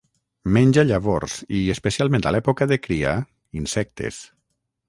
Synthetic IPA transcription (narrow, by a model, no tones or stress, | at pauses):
mɛnʲʒaʎaβoɾsiespesialˠmẽnt̪a̰lɛpokaðekɾia̰ | insɛk̚t̪ʰḛs